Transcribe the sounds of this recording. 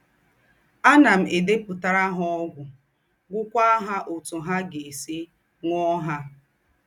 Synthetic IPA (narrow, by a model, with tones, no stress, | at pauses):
a˦na˨m̩˨ʔe˨de˦pʊ˨ta˦ɾa˦ɦɔ˦ɡʷʊ˨ | ɡʷʊ˦kʷa˦ɦa˦ʔo˨tʊ˨ɦa˦ɡe˨e˨si˦ | ŋɔ˦ɦa˦